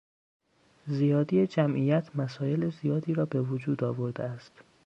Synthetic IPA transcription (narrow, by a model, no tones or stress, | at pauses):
zijɒːd̪ijed͡ʒæmʔijæt̪ʰmæsɒːje̞lezijɒːd̪iːɾɒːbe̞vod͡ʒuːd̪ɒːvoɾd̪eæst̪